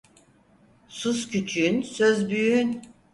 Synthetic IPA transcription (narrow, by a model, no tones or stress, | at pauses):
suscʰyt͡ʃʰyynsøzbyjyn